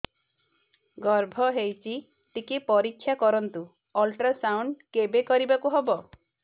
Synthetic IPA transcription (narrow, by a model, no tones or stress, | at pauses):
ɡɔɾbʱɔɦejt͡ʃʰi | t̪ikepɔɾikʰːjakɔɾɔnt̪u | ɔlʈɾasawɳɖkebekɔɾibakuɦebɔ